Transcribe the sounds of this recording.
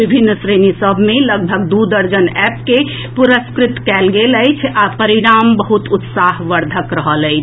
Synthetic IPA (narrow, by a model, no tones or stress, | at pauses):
bibʱinːsɾenisəbʱmeləɡ̚bʱəɡd̪ud̪əɾd͡ʒənɛp̚ke | puɾəskɾit̪kɛlɡeləjt͡ʃʰapəɾiɾambəɦut̪ut̪saɦʋəɾd̪ʱəkɾəɦələɪt͡ʃʰ